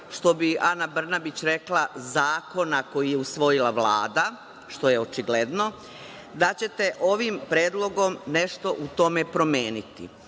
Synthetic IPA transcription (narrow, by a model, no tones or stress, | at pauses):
ʃt̪o̞bianabr̩nabit͡ɕɾe̞klˠazaːko̞nako̞jijeusʋo̞jilaʋla̰ːd̪a | ʃt̪o̞je̞o̞t͡ʃiɡle̞d̪no̞ | d̪at͡ɕe̞t̪eʔo̞ʋimpɾeːd̪lˠo̞ɡo̞mne̞ʃt̪o̞ʔut̪o̞mepɾo̞mjeːnit̪ḭ